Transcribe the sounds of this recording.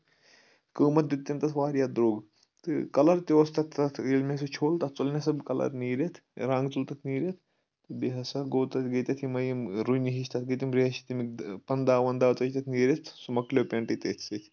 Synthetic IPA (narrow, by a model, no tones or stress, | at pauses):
kəːmɐt̪̚d̪it̪ːimt̪ɐt̪ʰʋaːɾijaːd̪ɾoːɡ | t̪ɨkɐlɐɾt̪iʋost̪ɐt̪ʰːɐt̪ʰelmʲesut͡ʃʰoːlt̪ɐt͡solnʲasɐbkɐlɐ̰ɾniːɾet̪ʰɾãːŋɡt͡sult̪ɐt̪ʰniːɾet̪̚ʰ | t̪ɨbeɦɐsaɡoːt̪ɐt̪ɡet̪ʲɐt̪ʰimɐjimɾujniɦiʃt̪ʰɐt̪̚ɡet̪ʲimɾeʃi̥t̪imikpɐnd̪aːʋɐnd̪aːt͡s̪ɐt͡ʃt̪ɐt̪ʰniːɾʲet̪ʰsumɐklʲoːpʲeːɳʈit̪et̪ʰːet̪ʲ